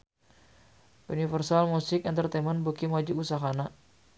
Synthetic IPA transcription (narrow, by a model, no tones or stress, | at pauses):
ʔunifərsalmusɪkɛnt̪ərt̪ɛmənbukimwad͡ʒiusaɦana